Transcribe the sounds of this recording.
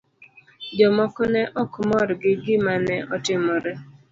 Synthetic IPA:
d͡ʒɔmɔkɔnɛʔɔkmɔɾɡɪɡɪmanɛʔɔtɪmɔɾɛ

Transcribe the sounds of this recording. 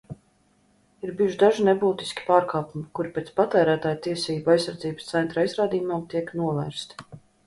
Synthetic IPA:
iɾbiːuʒd̪aʒinebuːt̪i̥skʲi̥paːɾkaːpumikuɾpʲɛːt̪spat̪æːɾæːt̪aːjut̪iɛsiːbuajsːaɾd̪ziːb̥st̪sɛnt̪ɾajzɾaːd̪iːjumaːmt̪iɛknuɔvæːɾst̪

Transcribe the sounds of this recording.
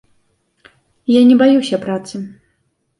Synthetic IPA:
janʲɛbajusʲɐpɾat̪sɨ

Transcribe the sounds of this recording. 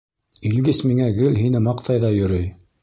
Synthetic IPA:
ilɡɘsmiŋæɡɘlɦinɘmɑqt̪ʰɑjðɑjɵ̆ɾɵj

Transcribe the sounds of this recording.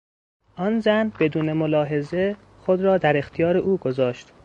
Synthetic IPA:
ʔɒnzænb̥e̞d̪uːnemolɒːɦe̞ze̞ | xod̪ɾɒːd̪æɾe̞xt̪ʰijɒːɾeʔuːɡo̞zɒːʃt̪

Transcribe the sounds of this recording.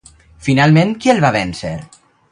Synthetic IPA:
finalˠmẽŋkielβaβɛnsḛɾ

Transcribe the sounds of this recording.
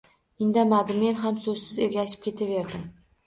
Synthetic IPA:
ɪnd̪amad̪ɪmenɦamsɵzsɪzeɾɡʲaʃɪ̥p̚kʲʰe̞t̪ʰave̞ɾd̪ɪm

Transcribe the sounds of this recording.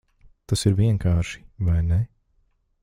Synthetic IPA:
t̪asiɾviɛŋkʰaːʃi̥vajnɛ

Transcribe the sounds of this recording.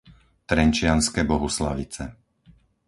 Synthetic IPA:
t̪ɾɛnt͡ʃɪanskɛbɔɦusla̰ʋit͡sɛ̰

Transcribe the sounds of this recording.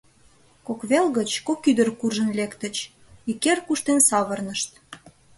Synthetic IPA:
kokβelɣət͡ɕkokyd̪ərkurʒənlekt̪ət͡ɕ | ikerkuʃt̪ensɑβərnəʃt̪

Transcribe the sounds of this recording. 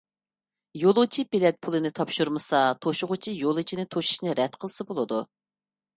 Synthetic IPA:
jolˠʊt͡ʃʰibilɛt̪̚pʰulˠɨnɨt̪ʰɑpʃuɾmɨsɑt̪ʰoʃʊʁʊt͡ʃʰijolˠɨt͡ʃʰinɪt̪ʰoʃu̥ʃnɨɾɛd̪qʰəlˠɨsɨbolˠɨd̪u

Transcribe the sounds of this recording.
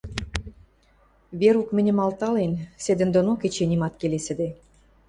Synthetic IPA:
βeɾukmɘ̆nʲɘ̆mɑlt̪ɑlensed̪ɘ̆nd̪onoket͡ɕenʲimɑt̪kelesɘ̆d̪e

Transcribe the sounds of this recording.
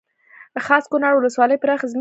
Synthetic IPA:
d̪əxɑskʊnɑɾwʊləswɑləjpəɾaxzm

